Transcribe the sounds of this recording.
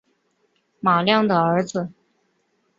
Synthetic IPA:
ma˨˩ljɑ˥˩ŋd̪ə˩ə˞˧˥d͡z̩˧

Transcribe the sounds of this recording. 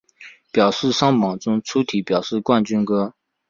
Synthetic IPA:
pjɑ˨˩ʊʂɻ̩˥˩ʂɑ˥ŋmɑ˨˩ŋʈ͡ʂʊ˥ŋʈ͡ʂʰu˥t̪ʰi˧˥pjɑ˨˩ʊʂɻ̩˥˧kwa˥˩nt͡ɕy˥nkɤ˥

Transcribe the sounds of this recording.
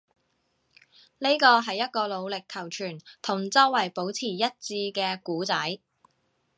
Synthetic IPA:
ne˥jkɔː˧ɦɐ˨jːɐ˥t̚kɔː˧lo˨˧wlɪ˨kʰːɐ˨˩wt͡ʃʰyː˨˩nt̪ʰʊ˨˩ŋt͡sɔː˥wɐ˨˩jpo˨˥wt͡sʰiː˨˩jɐ˥t̚t͡siː˧kɛː˧kuː˨˥t͡sɐ˨˥j

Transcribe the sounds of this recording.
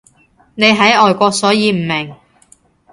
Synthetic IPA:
ne˨˧jɦɐ˨˥jɔː˨jkʷɔː˧k̚sɔː˨˥jiː˨˧m̩˨˩mɪ˨˩ŋ

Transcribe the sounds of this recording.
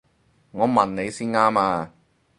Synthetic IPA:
ŋɔː˨˧mɐ˨˩nne˨˧jsiː˥nŋaː˥maː˧

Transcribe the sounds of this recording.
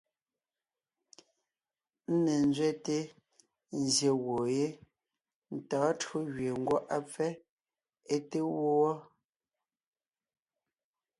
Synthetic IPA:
n̩˦ne˨n˦d͡zɥɛ˦te˦ | n̩˨zje˨wo˨je˦ | n̩˨tɔː˨˦two˦ɣɥe˨ŋ̩˦ɡwɔ˦ʔa˦p͡fɛ˦ | e˦te˦wo˦wɔ˦

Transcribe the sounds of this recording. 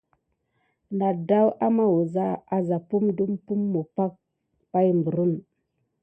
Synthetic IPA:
na˨da˦wʔa˦ma˦wu˨za˦a˨za˨pu˦mdu˦mpu˦mːu˨pa˦k̚ | pa˦jmbu˨ɾu˦n

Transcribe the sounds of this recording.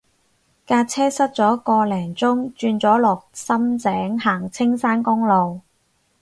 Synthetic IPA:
kaː˧t͡sʰɛː˥sɐ˥t̚t͡sɔː˨˥kɔː˧lɛː˨˩ŋt͡sʊ˥ŋt͡ʃyː˧nt͡sɔː˨˥lɔː˨˩k̚sɐ˥mt͡sɛː˨˥ŋhaː˨˩ŋt͡sʰɪ˥ŋsaː˥nkʊ˥ŋlo˨˧w

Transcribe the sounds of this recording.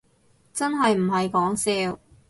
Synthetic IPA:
t͡sɐ˥nɦɐ˨jm̩˨˩ɦɐ˨jkɔː˨˥ŋsɛː˧w

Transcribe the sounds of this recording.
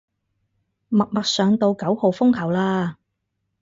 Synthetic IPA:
mɐ˨k̚mɐ˨k̚sœː˨˧ŋt̪o˧wkɐ˨˥who˨wfʊ˥ŋkʰɐ˨˩wlaː˧

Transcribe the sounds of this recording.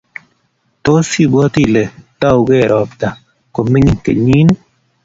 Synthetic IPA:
to˦si˦˨bwɔ˦ti˦˨le˨tɔ˦˨wɡe˦˨ɾʔɔ˨pta˨ | ko˨mi˦ɲi˨kḛ˨ɲi˦n˦

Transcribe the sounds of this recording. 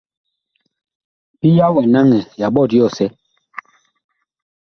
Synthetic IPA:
pi˦ja˦wɛ˨na˦ŋɛ˨ja˨ɓɔ˦˨djɔ˦˨sɛ˦

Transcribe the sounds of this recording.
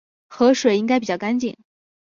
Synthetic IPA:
xɤ˧˥ʂwe˨˩ɪi˥ŋka˥ɪp̬i˨˩t͡ɕjɑ˥˩ʊka˥nt͡ɕḭ˨˩˦ŋ

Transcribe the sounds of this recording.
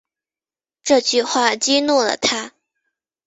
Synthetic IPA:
ʈ͡ʂɤ˥˧t͡ɕy˥˧xwa˥˩t͡ɕi˥nu˥˩lə̰˩t̪ʰa˥

